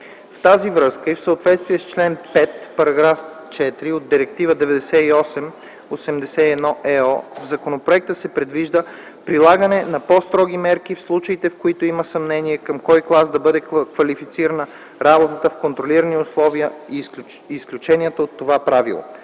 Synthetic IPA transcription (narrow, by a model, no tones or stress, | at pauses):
ft̪azivɾɤskəifsəot̪vɛt̪st̪viɛst͡ʃlɛnpɛt̪pɐɾɐɡɾaf | t͡ʃɛt̪ɾiod̪̚diɾɛk̚t̪ivəd̪ɛvɛd̪ɛsɛiɔsɛm | osɛmd̪ɛsɛiɛd̪nɔʔɛɔ̰vzɐkonopɾoɛk̚t̪əsɛpɾɛd̪viʒd̪ə | pɾilˠaɡənɛnɐpɔst̪ɾɔɡ̟imɛɾk̟ifslˠut͡ʃəit̪ɛfkoit̪oiməsɐmnɛniɛkɐmkɔjklˠazd̪ɐbɤd̪ɛkvɐlifit̪siɾənə | ɾabot̪ət̪əfkont̪ɾoliɾəniʊslˠɔviəiːsklʲut͡ʃɛniət̪əot̪ːovapɾavḭlˠo̰